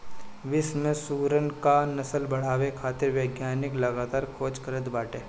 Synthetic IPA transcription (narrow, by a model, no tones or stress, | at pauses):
ʋɪsmẽsuːɾənkanɐsəlbɐɽ̤aːʋekʰaːt̪ɪɾʋjeːɡjaːnɪklɐɡaːt̪aːɾkʰoːt͡ʃkəɾət̪baːʈeː